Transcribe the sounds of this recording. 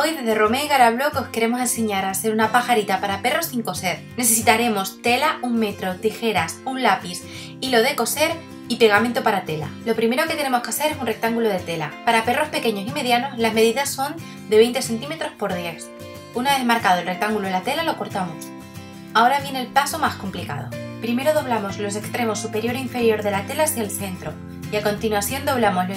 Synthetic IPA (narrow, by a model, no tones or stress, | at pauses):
ojðe̞zðe̞ro̞me̞iɣaɾaβ̞lo̞keo̞ske̞ɾe̞mo̞s̬e̞nse̞ɲaɾase̞ɾunapaxaɾit̪apaɾape̞ro̞siŋko̞se̞ɾ | ne̞se̞s̬it̪aɾe̞mo̞st̪e̞lauŋme̞t̪ɾo̞t̪ixe̞ɾasunlapis | ilo̞ð̞e̞ko̞se̞ɾ | ipe̞ɣament̪o̞paɾat̪e̞la̰lo̞pɾime̞ɾo̞ke̞t̪e̞ne̞mo̞skase̞ɾe̞sunre̞k̚t̪aŋɡuloð̞e̞t̪e̞la̰paɾape̞ro̞spe̞keɲo̞sime̞ðjano̞zlazme̞ðiðasːo̞n | d̪eβe̞jnt̪e̞se̞nt̪̬ime̞t̪ɾo̞spo̞ɾðjes | unaezmaɾkað̞o̞elrek̚t̪aŋɡulolat̪e̞lalo̞ko̞ɾt̪amo̞s | ao̞ɾaβje̞nelpaso̞masko̞mplika̰ð̞o̞̰pɾime̞ɾo̞ð̞o̞β̞lamo̞zlo̞s̬e̞kst̪ɾe̞mo̞supe̞ɾjo̞ɾoiɱfe̞ɾjo̞ɾðe̞lat̪e̞lasjaelθe̞nt̪ɾo̞ | iako̞nt̪inwaθjo̞nd̪o̞β̞lamo̞lo